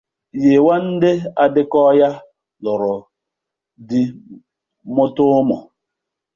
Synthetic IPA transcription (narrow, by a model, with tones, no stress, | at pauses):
je˨wa˦n̩˦dɪ˦a˨dɪ˦kɔ˦ja˦ | lʊ˨ɾʊ˨ | dɪ˦ | mʊ˦tʊ˦mɔ̰˨